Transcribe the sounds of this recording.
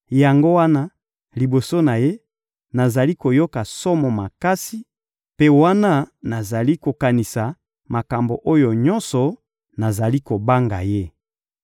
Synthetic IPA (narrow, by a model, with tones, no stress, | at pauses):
ja˨ŋɡo˦wa˦na˦ | li˨bo˨so˦na˨je˦ | na˨za˨li˦ko˨jo˦ka˨sɔ˦mɔ˨ma˨ka˦si˨ | pe˦wa˦na˦na˨za˨li˦ko˨ka˨ni˨sa˨ | ma˨ka˨mbo˨ʔo˦jo˨ɲɔ˦nsɔ˨ | na˨za˨li˦ko˨ba˦ŋɡa̰˨je˦